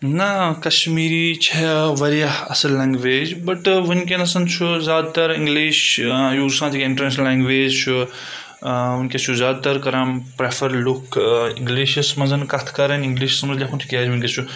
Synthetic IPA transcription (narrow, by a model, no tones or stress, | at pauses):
nɐkɐʃmiːɾit͡ʃʰɛʋɐɾijɐhɐsɐllːãːŋɡʋeːd͡ʒbɐʈʋunkenɐsɐnt͡ʃʰuzʲjaːd̪̚t̪ɐɾĩŋɡliːʃjuːsãːt̪ʰikɪ̃ɳʈɐɾnaːʃnɐlːãːŋɡʋeːd͡ʒt͡ʃʰu | ʋunkʲet͡ʃʰuzʲjaːd̪̚t̪ɐɾkɐɾãːmpɾefʰɐɾlukɪ̃ŋɡliːʃsɐmɐnzɐnkɐt̪ʰkɐɾɐnĩŋɡliːʃsɐmzlʲjakʰunt̪ʰikʲaːd͡ʒʋunkʲet͡ʃʰu